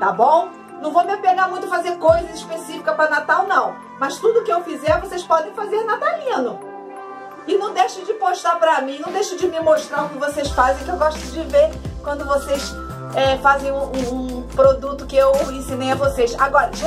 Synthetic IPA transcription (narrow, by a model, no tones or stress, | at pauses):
t̪abõ | nɐ̃w̃vowmɪpeɡaɾmũj̃t̪ʊfazeɾkojzɐispesifi̥kɐpɾɐnat̪awnɐ̃w̃ | mɐst̪ud̪ʊkɪewfizɛɾvosejspɔd̪ẽj̃fazeɾnat̪alĩnʊ | ɪnɐ̃w̃d̪ejʃɐd͡ʒɪpoʃt̪apɾɐmĩnɐ̃w̃d̪ejʃɐd͡ʒɪmɪmoʃt̪ɾaʊkɪvosejsfazẽj̃kɪewɡɔʃt̪ʊd͡ʒɪveɾkwɐ̃nd̪ʊvosejs | ɛfazẽj̃ũũũpɾod̪ut̪ʊkɪewẽsĩnejɐvosesaɡɔɾɐʒ